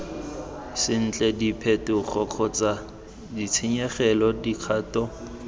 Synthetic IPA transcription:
sɪn̩t͡ɬʼɛdipʰɛtʊk͡xɔq͡χʰɔt͡sa | dit͡sʰɪɲɛχɛlɔdikʰaːtɔ

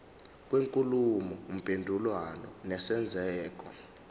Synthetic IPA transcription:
k̬ʼweŋkʼulumɔum̩pʼendʱulwanɔ̰nɛsɛnd͡zʱɛːk̬ɔ

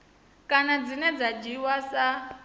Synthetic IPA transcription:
kʼanad͡zinɛd͡zad͡ʒiwasa

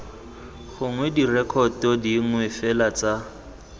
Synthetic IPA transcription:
ɣʊŋwɛdirɛkʰɔtɔdiŋ̩wɛfɛlat͡sʼa

